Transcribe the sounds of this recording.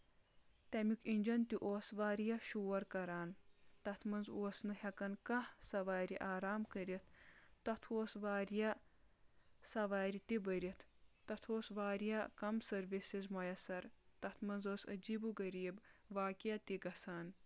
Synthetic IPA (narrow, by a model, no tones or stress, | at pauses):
t̪ɐmikinʲd͡ʒɐnt̪iʔoːsʋaːɾjɐʃuːɐɾkɐɾaːnt̪ɐt̪ʰmɐnzoːsnɨhɐkɐnkɐhsɐʋaːɾiʔaːɾaːmkəɾit̪ʰt̪ɐt̪ʰoːsʋaːɾjɐ | sɐʋaːɾit̪ibɐɾit̪ʰt̪ɐt̪ʰoːsʋaːɾijɐkɐmsɐɾʋisizmɐjɐsɐɾt̪ɐt̪ʰmɐnzoːsɐ̰d͡ʒiːbuɡɐɾiːbʋaːkijɐt̪iɡɐsaːn